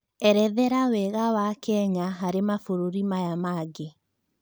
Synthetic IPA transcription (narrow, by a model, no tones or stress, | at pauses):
ɛɾɛðɛɾawɛɣawakɛɲaɦaɾemafoɾoɾimajamaːɡe